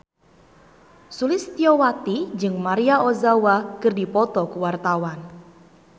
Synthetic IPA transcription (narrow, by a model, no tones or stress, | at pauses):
sulɪst̪iɔwat̪id͡ʒɨŋmaɾiaʔozawakɨrdipɔt̪ɔkuwart̪awan